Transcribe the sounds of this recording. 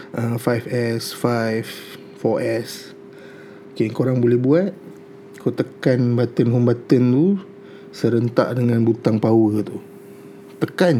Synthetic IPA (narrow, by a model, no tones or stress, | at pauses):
əfajfɛsfajf | fɔʔɛs | okekoɾaŋbolɛhbuat̪̚ | kot̪əkanbat̪ənɦumbat̪ənt̪u | səɾənt̪a̰ʔdəŋanbut̪aŋpawət̪u | t̪əkan